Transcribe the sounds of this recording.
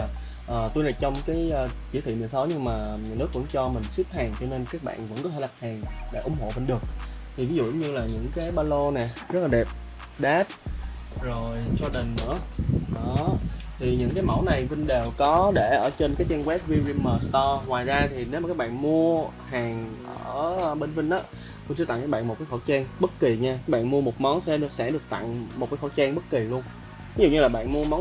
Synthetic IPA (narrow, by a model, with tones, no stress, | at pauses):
ʔəː˨˩t̪u˧jna˨˩jt͡ɕɔ˧wŋ͡mkaː˨˦jəː˧ki˧˩˥ḭ˧˨mï˨˩sɔ˨˦wɲɨ˧ŋmaː˨˩˨nɨ˦˥k̚vʊ̰˧˥ŋ͡mt͡ɕɔ˧mï˨˩ŋ̟swi˦˥p̚haː˨˩ŋt͡ɕɔ˧ne˧nkaː˦˥k̚ɓa̰ː˧˨nvə̰˧˥nkɔ˨˦t̪ʰe˧˩a˨˩t̚haː˨˩ŋɗḛ˧˩ʔʊ̰˧˩˦ŋ͡mho̰˧˨fə˧nɗɨ˨˩ək̚ | t̪ʰi˨˩vi˨˦zṵ˧˨˧ɲɨ˧laː˨˩ɲɨ̰˧˥ŋkaː˨˦jɓaː˧lo˧nɛ˨˩zə˦˥t̚laː˨˩ɗe˨˩p̚ | ɗaː˦˥t̚ | zo˨˩jt͡ɕɔ˧ɗə˨˩ŋ̟nɨ̰˧˥əɗɔ˨˦t̪ʰi˨˩ɲɨ̰˧˥ŋkaː˨˦jma˧˩wna˨˩jvï˧ŋ̟ɗe˨˩wkɔ˨˦ɗe˧˩ʔəː˧˩t͡ɕe˧nkaː˨˦jt͡ɕaː˧ŋwɛ˦˥p̚vi˧ɹi˧mməː˨˩st̪ɔ˧ŋwaː˨˩jzaː˧t̪ʰi˨˩ne˨˦wma˨˩kːaː˦˥ɓa̰ː˧˨nmu˧ə | haː˨˩ŋʔəː˧˩˧ɓe˧nvï˧ŋ̟ʔaː˨˦ | kʊ̰˧˥nt͡ɕɨ˧˥a̰˧˨kːaː˨˦ɓ̰ːm̚˨˩kːxo˧˩t͡ɕɛː˧ŋɓə˦˥t̚ki˨˩ɲaː˧˨˦ɓa̰ː˧˨nmu˧əmo˨˩t̚mɔ˨˦wnsɛ̰˧˥ɗɨ˨˩ək̚sɛ̰˧˥ɗɨ˨˩ək̚t̪a̰˧˨ŋmo˨˩t̚kaː˨˦jxo˧˩˦jt͡ɕaː˧ŋɓə˦˥t̚ki˨˩lu˧ən | t̪ʰe˦zṵ˨ɲɨ˧laː˨˩ɓa̰ː˧˨nmu˧ə˧mɔ˨˦